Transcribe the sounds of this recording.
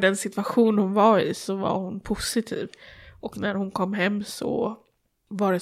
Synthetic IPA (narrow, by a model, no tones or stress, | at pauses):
d̪ɛnsɪt̪vaɧuːnhʊnvaɾɪ̰sɔva̰ɾhʊnpʰʊsɪt̪ʰḭːvʔɔknæɾhʊnkʰɔmːɦɛmːsɔ̰ | vɑɖɛ